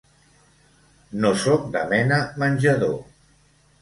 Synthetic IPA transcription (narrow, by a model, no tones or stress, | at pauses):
nosɔk̚d̪ə̰mɛnəmənʲʒəðo